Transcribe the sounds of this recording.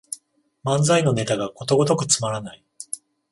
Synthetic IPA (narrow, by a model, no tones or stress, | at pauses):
mãnd͡zaino̞ne̞t̪aɡako̞t̪oɡo̞t̪o̞kɯ̟t͡sɨ̥maɾanai